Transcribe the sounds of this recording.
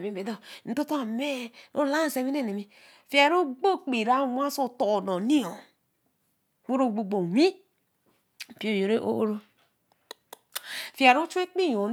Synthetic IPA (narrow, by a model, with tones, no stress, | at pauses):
mi˨be˨do˦n̩˦to˦ta˦˨me˦o˦la˦n˨se˨mi˦e˦ne˨mi˦ | fi˨a˨ɾo˦ɡ͡bo˦k͡pi˨ɾa˨˦˨mʷ˦a˦so˦˨to˨do˨ni˦o˨ | wo˦ɾo˦˨ɡ͡bo˨ɡ͡bo˨wi˦˨ | pi˦o˦˨jo˨ɾe˦ʔo̰˦o˦ɾo˦ | fi˨a˨ɾo˦t͡ʃu˦e˦k͡pi˦jo˨